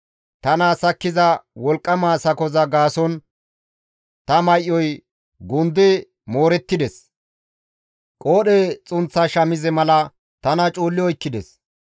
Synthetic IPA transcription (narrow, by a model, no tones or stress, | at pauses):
t̪ɐnasɐkːɪzɐwɔlkʼːɐmaːsɐkɔzɐɡaːsɔn | t̪ɐmɐjʔːɔj | ɡʊnd̪ɛ | moːɾɛt̪ːɪd̪ɛs | kʼoːɗeːt͡sʼʊnt͡sːɐʃɐmɪzɛmɐlɐ | t̪ɐnɐt͡ʃʼoːlːɪɔjkːɪd̪ɛs